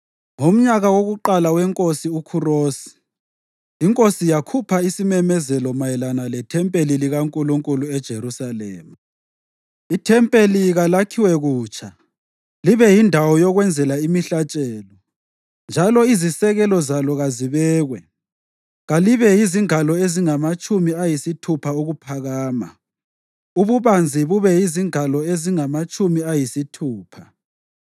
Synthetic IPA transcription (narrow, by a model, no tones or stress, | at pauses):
ŋom̩ɲaɣawoɣuǃalawɛŋkʼosiukʰuroːsi̥ː | ŋkʼosijakʰupʰaisimɛmɛzɛlɔmajɛlanalɛtʰɛmpʼeliliɣaŋkʼuluŋkʼuluɛd̥ʒ̥ʱeɾusalɛ̰ːmu | itʰɛmpʼeliɣalakʰiwɛɣuːt͡ʃʰʼa | liβɛjindʱawɔjɔɣwɛnd͡zʱɛlaimiɬat͡ʃʼɛːlɔ | nd͡ʒʱalɔizisɛɣɛlɔzalɔɣaziβɛːɣwɛ | ɣaliβɛjiziŋalɔeziŋamat͡ʃʼumiajisitʰupʰauɣupʰaɣaːma̰ | uβuβand͡zʱiβuβɛjiziŋalɔeziŋamat͡ʃʼumiajisitʰuːpʰa